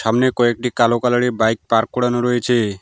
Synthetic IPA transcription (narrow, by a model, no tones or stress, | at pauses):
ʃamnekoek̚ʈikalokalaɽibajk̚paɾkːoɽanoɾɔet͡ʃʰe